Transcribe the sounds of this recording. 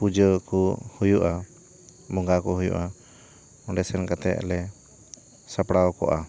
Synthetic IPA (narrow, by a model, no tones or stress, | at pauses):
pud͡ʒəkɔhujuʔa | mɔŋɡakɔɦujṵʔa | ɔ̃ɳɖɛsɛnkat̪ɛ̰ʔlɛ | sapɽaɔkɔ̰ʔa